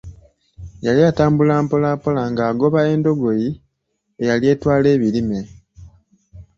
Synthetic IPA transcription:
jaliataːmbulaːmpo̞lapo̞laŋɡaːɡo̞βae̞ndo̞ɡo̞ji | e̞jalje̞ːtwaːle̞ːβilime̞

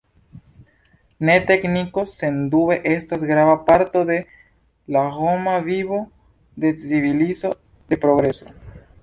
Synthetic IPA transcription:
ne̞te̞kniko̞se̞ndue̞ʔe̞stasɡɾavapaɾto̞de̞ | lahomaviβo̞ | de̞t͡sivilizo̞ | d̥e̞pɾo̞ɡɾe̞so̞

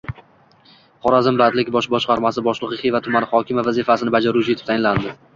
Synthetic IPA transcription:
χɒɾazɪmbat̪lɪkʲbɒʃbɒʃqɑɾmasɪbɒʃlˠɨʁɨχivat̪ʰʊmanχɒkʲʰɪmavazifasɪnɪbad͡ʒaɾʊt͡ʃʰɪet̪ʰɪ̥t̪ajɪnland̪ɪ

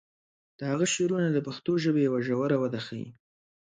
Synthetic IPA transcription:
d̪̥əhaɣaʃeɾunad̪əpaxt̪oʒəbejawaʒawəɾawad̪axawḭ

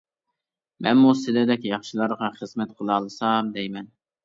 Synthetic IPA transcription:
mɛ̰nmusɪlɪd̪ɛkʲjɑχʃilˠɑɾʁɑχəz̥mɛt̪̚qʰolˠɑːlˠɨsɑmd̪ɛjmɛn

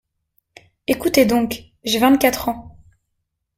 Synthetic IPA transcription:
ekut̪ed̪ɔ̃k | ʒevɛ̃t̪kat̪χɑ̃

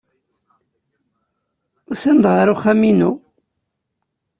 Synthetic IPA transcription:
ʊsənd̪ʁəɾʊχːæminu

